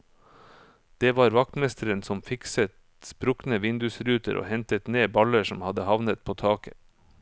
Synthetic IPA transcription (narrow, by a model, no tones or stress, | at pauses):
d̪̥eːʋɑːɾʋɑk̚t̪mɛst̪əɾənsɔmfɪksət̪ | spɾʊknəʋɪnd̪ʉsɾʉːt̪ə̰ɾʔo̰ːhɛnt̪ət̪neːbɑləʂɔmhɑd̪əhɑʋnət̪̚pʰoːt̪ʰɑːkə̥̰